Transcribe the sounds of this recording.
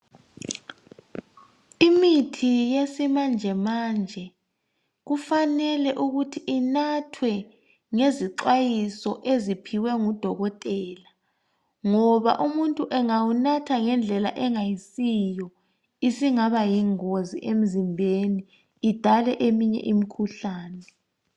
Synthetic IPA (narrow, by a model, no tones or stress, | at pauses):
imitʰijesimand͡ʒʱɛmaːnd͡ʒʱɛ | ɣufanɛlɛʔuɣutʰiinatʰwɛ | ŋeziǁajisɔʔezipʰiwɛŋud̥ʱɔɣɔtʼɛːla | ŋɔβa̰ʔumuntʼuʔɛŋawunatʰaŋɛnd͡ɮʱɛlaʔɛŋajisijɔ | isiŋaβajiŋozḭʔem̩zimbʱeniː | d̥ʱalɛʔemiɲɛ̰ʔimikʰuɬaːnɛ